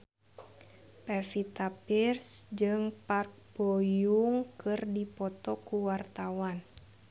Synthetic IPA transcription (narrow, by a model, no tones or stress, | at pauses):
pɛfit̪apirsd͡ʒɨŋpark̚b̥ojuŋkɨrdipɔt̪ɔkuwart̪awan